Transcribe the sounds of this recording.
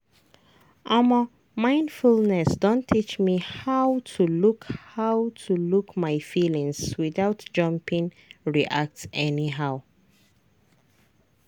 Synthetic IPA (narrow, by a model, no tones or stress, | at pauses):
ʔɔmɔ | mãɪ̃ndfulˠnɛsd̥õntʰːit͡ʃmihaʊtʰulukhaʊtʰulukmaɪfilĩŋswiðaʊtd͡ʒ̥ʌ̃mpĩŋ | ɹiʔak̚tɛniɦaʊ